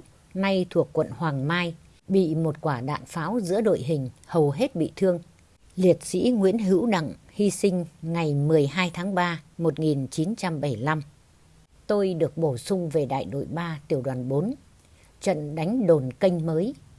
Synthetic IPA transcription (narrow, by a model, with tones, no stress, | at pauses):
na˧jt̪ʰu˨˩əkːwə̰˧˨nhwaː˨˩ŋmaː˧j | ɓḭ˧˨mo˨˩t̚kwaː˧˩ɗa̰ː˧˨nfaː˨˦wzɨ̰˧˥əɗo̰˧˨jɦï˨˩ŋ̟hə˨˩wɦe˦˥t̚ɓḭ˧˨t̪ʰɨ˧əŋ | li˨˩ət̚sḭ˧˥ŋwḭ˧˥ənɦɨ̰˧˥wɗa̰˧˨ŋhi˧sï˧ŋ̟ŋa˨˩jmɨ˨˩əjɦaː˧jt̪ʰaː˨˦ŋɓaː˧mo˨˩t̚ŋi˨˩nt͡ɕi˨˦nt͡ɕa˧mɓə˧˩jla˧m | t̪o˧jɗɨ˨˩ək̚ɓo˧˩sʊ˧ŋ͡mve˨˩ɗa̰ː˧˨jɗo̰˧˨jɓaː˧t̪i˨˩əwɗwaː˨˩nɓo˨˦n | t͡ɕə̰˧˨nɗa˨˦jŋ̟ɗo˨˩nkə˧jŋ̟məː˨˦j